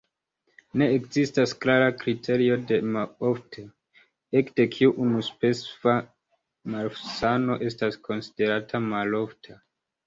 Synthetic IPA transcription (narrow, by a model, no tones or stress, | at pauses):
ne̞ːkzistasklaɾakɾitʰe̞ɾio̞de̞mao̞ftʰe | e̞kde̞kʰiuʔunuspe̞sva | maɾfsano̞ʔe̞stasko̞nsi̥de̞ɾatʰamalo̞ftʰa